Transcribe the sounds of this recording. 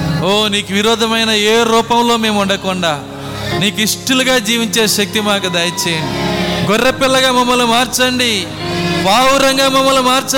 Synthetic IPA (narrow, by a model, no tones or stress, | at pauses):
oːniːkuʋiɾɔːd̪ʱɐmɐjnɐeːɾuːpɐmlo̞ːme̞ːmuɔɳɖɐkɔɳɖaː | niːkuiʂʈuluɡaːd͡ʒiːʋiɲt͡ʃeːʃɐk̚t̪imaːkud̪aːjɐt͡ʃɛːjɐɳɖiɡɔrːɐpilːɐɡaːmɐmːɐlumaːɾt͡ʃɐɳɖi | baːwuɾɐŋɡaːmɐmːɐlumaːɾt͡ʃɐ